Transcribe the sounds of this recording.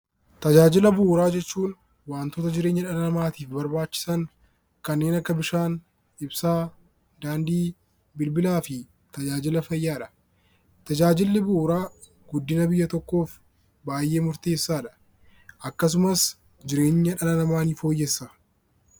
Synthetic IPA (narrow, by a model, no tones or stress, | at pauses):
t̪ɐd͡ʒaːd͡ʒɪlɐbʊɾaːd͡ʒɛt͡ʃːuːn | waːnt̪oːt̪ɐd͡ʒɪɾeːɲːɐᶑɐnɐnɐmaːt̪iːfbɐɾbaːt͡ʃːɪ̥sɐŋ | kɐnːe̞ːnɐkːɐbɪʃaːn | ɪbsaː | d̪aːnd̪iː | bɪlbɪlaːfɪ | t̪ɐd͡ʒaːd͡ʒɪlɐfɐjːaːᶑɐ̥ | t̪ɐd͡ʒaːd͡ʒɪlːɪbʊːɾaː | ɡʊd̪ːɪnɐbɪjːɐt̪ɔkːo̞ːf | baːjʔe̞ːmʊɾt̪e̞ːsːaːᶑɐ̥ | ʔɐkːɐs̬ʊmɐs | d͡ʒɪɾe̞ːɲːɐᶑɐnɐnɐmaːniːfo̞ːjːɛsːɐ